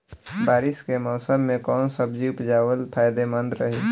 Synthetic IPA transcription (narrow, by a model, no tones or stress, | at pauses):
baːɾɪskemɔːsəmːẽkɔːnsəbd͡ʒiʊpd͡ʒaːwəlpʰaːjd̪emə̃nd̪ɾəɦeː